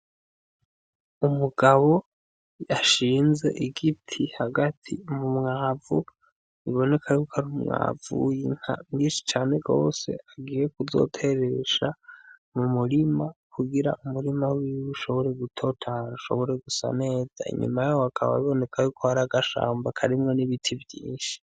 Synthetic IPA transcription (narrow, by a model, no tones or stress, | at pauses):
umuɡ̥aβo̞ | aʃiːnze̞̰ʔiɡitʰihaɡatʰḭmumŋaːvu | iβo̞ne̞kʰajuːkʰoaɾumŋa̰ːvṵjiŋ̥ha̰mɲiːnʃi̥t͡ʃaːne̞ɡo̞̰ːse̞̰aɡiːjekuzo̞̰tʰe̞ɾe̞ʃamumuɾimakʰuɡiɾa̰ʔumuɾimawiwuʃo̞βo̞ɾe̞ɡutʰo̞tʰaɾauʃo̞̰βo̞ɾe̞ɡusa̰ne̞ːz̥a̰ḭɲṵmajaoakʰaβa̰βiβo̞ne̞kʰajukʰohaɾaɡaʃa̰ːmbakʰaɾimŋo̞niβitʰivjiːnʃi̥